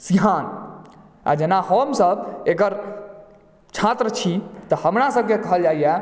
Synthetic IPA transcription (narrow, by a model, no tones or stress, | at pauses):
siɦan | a̰d͡ʒenahəmsəbeɡəɾ | t͡ʃʰat̪ɾət͡ʃʰit̪ɔhəmɾasəb̚kekəɦəld͡ʒaijɛ